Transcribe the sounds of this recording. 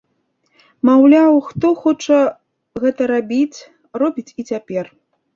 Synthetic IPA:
mawlʲawxt̪ɔxɔt͡ʂɐ | ɣɛt̪ɐɾabʲit͡sʲ | rɔbʲit͡sʲit͡sʲapʲɛr

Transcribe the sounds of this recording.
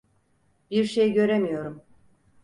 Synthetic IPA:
b̥iɾʃejɟø̞ɾemijo̞ɾum

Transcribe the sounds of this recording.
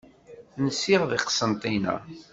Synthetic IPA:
nəsːiʁðiqsənt̪ˤinæ̰

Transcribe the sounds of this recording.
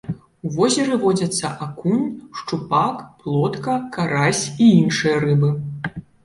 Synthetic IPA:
uvɔzʲɛɾɨvɔd͡zʲɐt̪sːɐʔakunʲʂt͡ʂupakplˠɔt̪kɐkaɾasʲiinʂɨjɐɾɨbɨ

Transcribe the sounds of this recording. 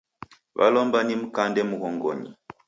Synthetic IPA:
βa̰lɔmbanim̩kandɛmuɣɔŋɡɔ̰ɲḭ

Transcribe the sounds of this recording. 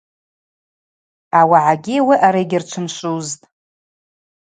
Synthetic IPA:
awaʕaɡʲiwiʔaɾajɡʲɪrt͡ʃʷʰɨmʃʷʼuztʼ

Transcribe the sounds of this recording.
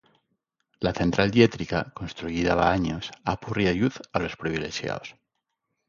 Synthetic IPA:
laθe̞nt̪ɾald̪je̞t̪ɾikako̞nst̪ɾuiðaβaaɲosapuriajuθalospɾiβ̞ile̞ʃja̰os

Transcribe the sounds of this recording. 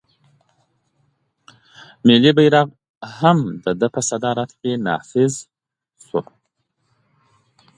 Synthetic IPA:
mɪlibajɾaɣ | hamd̪əd̪əpəsad̪ɑɾat̪kenɑ̰fɪz | su

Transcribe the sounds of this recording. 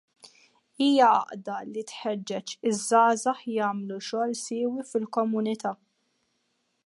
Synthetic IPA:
iːjɐɐ̰ʔd̪ɐlit̪ħɛd͡ʒːɛt͡ʃɪzːɐːzɐħjɐːmluʃɔːlsɪːwifɪlkɔmʊnɪt̪ɐː

